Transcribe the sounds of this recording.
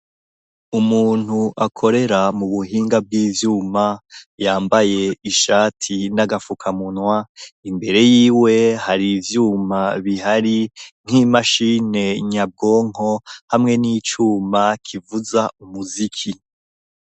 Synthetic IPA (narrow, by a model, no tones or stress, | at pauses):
umuːn̥huʔakʰo̞ɾe̞ɾamuβuɦiːŋɡab̚ɡiːvjuːmajaːmbaje̞iʃaːtʰinaɡafukʰamunwaimbe̞ɾe̞jiːwe̞haɾivjuːmaβihaɾiŋ̥hiːmaʃine̞ɲab̚ɡo̞ːŋ̥o̞hamŋe̞nit͡ʃuːmakʰivuzaumuzikʰi